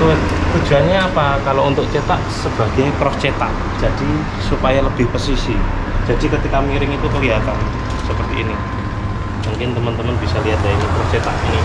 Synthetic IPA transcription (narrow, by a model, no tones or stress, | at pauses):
w̪kud̥ʒ̥ṳanɲaːpakalount̪ʊk̚t͡ʃet̪aʔsəb̥a̤ɡajkɾɔft͡ʃet̪a̰ʔ | d̥ʒ̥a̤d̥i | supajaləb̥ɪhpəsisi̥ | d͡ʒ̥a̤d̥ikət̪ikamiɾɪŋit̪ukəliɦat̪an | səpərt̪iini | muŋkɪnt̪əmənt̪əmənb̥isaliat̪̚dainikɾɔft͡ʃet̪a̰ʔini